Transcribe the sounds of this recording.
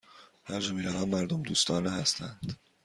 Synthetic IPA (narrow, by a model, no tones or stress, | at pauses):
hæɾd͡ʒomiːɾævɒːnmæɾd̪omd̪uːst̪ɒːnehæst̪ʰænd̪̥